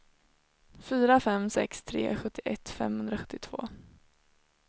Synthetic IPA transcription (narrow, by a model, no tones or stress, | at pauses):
fyːɾafɛmsɛ̰kst̪ʰɾḛːɧɵt̪ːɪʔɛt̪ːfɛ̰mhɵnd̪ɾaɧɵ̥t̪ːɪt̪ʰv̥o̰ː